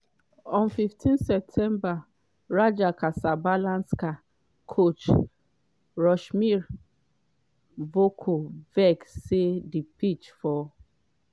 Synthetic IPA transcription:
ɔ̃nfiftʰĩnsɛp̚tʰɛ̃mba | ɹad͡ʒakasabalãnska | kʰot͡ʃ | ɹɔʃmiɹ | vokʰovɛksedipit͡ʃfɔ

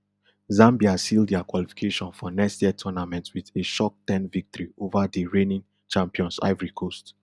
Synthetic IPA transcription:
zãmbiasildakwalifi̥kʰeʃɔ̃nfɔnɛstɛtʰɔnamɛ̃ntwiðeʃɔk̚tɛ̃nvik̚tɔɹiovadəɹẽnĩŋ | t͡ʃãmpiɔ̃nsa̰ɪvɹikʰost

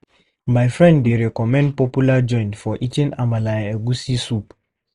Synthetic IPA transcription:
majfɹɛ̃ndːeɾɛkɔmɛ̃nd̚pɔpjulad͡ʒɔ̃ɪ̃ntfɔʔitĩnamalaɛɡusisup

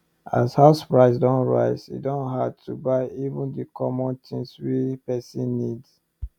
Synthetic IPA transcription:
a̰shaʊspɹaɪsdɔ̃nɹa̰ɪsḭdɔ̃nɦad̚tʰubaɪivũndikʰɔmɔ̃ntʰĩnswipɛsĩnːids

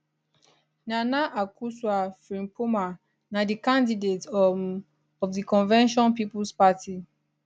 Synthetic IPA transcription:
nanaʔakuswafɹĩmpuma | nadikãndidet | ɔvdikɔ̃nvɛ̃nʃɔ̃npipulspati

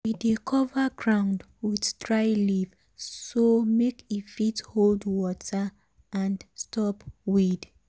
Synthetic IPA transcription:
widekʰɔvaɡɹãʊ̃nd | widdɹaɪliv | somekifitholdwɔtʰa | ãnstɔpwid

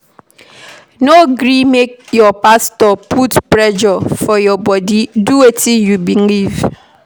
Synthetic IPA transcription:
noɡɾimek̚jɔpastɔpʰutpɾɛd͡ʒɔfɔjɔbɔdiduwetijubiŋ̩liv

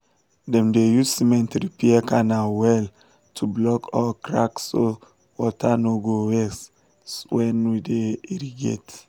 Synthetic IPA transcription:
dɛ̃mdejuzsimɛ̃ntɾipiɛkanawɛl | tʰublɔkʰɔkɹa̰kso | wɔtʰanoɡowɛs | swɛ̃nwideiɾiɡḛt

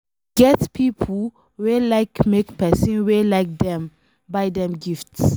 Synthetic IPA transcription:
ɡ̥ɛtpʰipʰ | welaɪkmekpɛsĩnwelaɪk̚dɛ̃m | bajdɛ̃mɡifts

